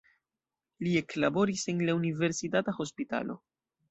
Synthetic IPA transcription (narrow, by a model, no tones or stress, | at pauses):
lie̞klabo̞ɾise̞nlaunive̞ɾsitataxo̞spita̰lo̞̰